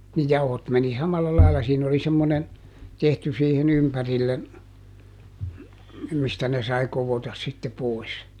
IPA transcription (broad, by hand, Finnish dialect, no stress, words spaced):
ni jɑuhot meni sɑmɑlːɑ lɑilɑ siːn oli semːonen tehty siːhin ympærilːen mistæ ne sɑi koʋotɑs sitːe poˑis